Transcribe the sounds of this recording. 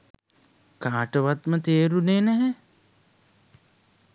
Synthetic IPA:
kaːʈəʋat̪mət̪eːɾuneːnæɦɛ

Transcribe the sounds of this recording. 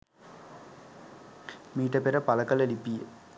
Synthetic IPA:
miːʈɐpeɾɐpɐlɐkɐlelipːijə

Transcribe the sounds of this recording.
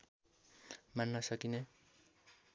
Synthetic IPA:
manːʌsʌkine

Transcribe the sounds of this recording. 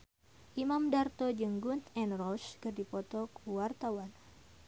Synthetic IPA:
ʔimamdart̪od͡ʒəŋɡunt̪ɛnrɔskɨrdipɔt̪ɔkəwart̪awan

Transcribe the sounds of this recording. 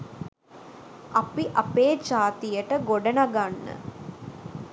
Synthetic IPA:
ɐpiʔɐpeːd͡ʒaːt̪ijəʈəɡoɖənaɡanːə̰

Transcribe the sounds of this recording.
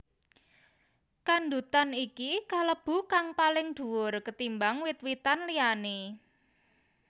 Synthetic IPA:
kand̪ut̪anikikaləb̥ṳkaŋpalɪŋd̪̥ṳwʊrkət̪imbaŋwɪt̪̚wit̪anliane

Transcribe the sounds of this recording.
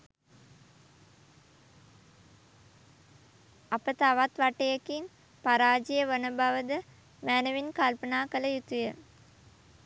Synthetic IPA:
apət̪aʋat̪ʋaʈejəkin | paɾaːd͡ʒijəʋənəbaʋəd̪ə | mæːnəʋinkalpənaːkələjut̪ujə

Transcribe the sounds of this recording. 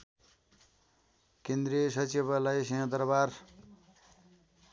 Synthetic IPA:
kend̪ɾiesʌt͡siβʌlajsʌjãd̪ʌrbar

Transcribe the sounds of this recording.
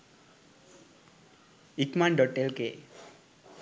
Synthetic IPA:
ikmaɳɖɔʈelke

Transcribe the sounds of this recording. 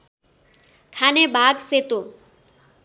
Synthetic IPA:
kʰanebʱaɡset̪o

